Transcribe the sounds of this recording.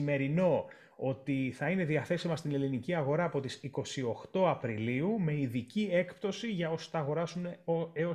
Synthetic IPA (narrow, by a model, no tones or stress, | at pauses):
me̞ɾino̞ | o̞t̪iθɐine̞ðiɐθe̞simɐst̪ine̞liniciɐɣo̞ɾɐːpo̞t̪isiko̞sio̞xt̪o̞ɐpɾiliume̞iðicie̞kpt̪o̞siʝɐo̞so̥θɐːɣo̞ɾɐsunoeo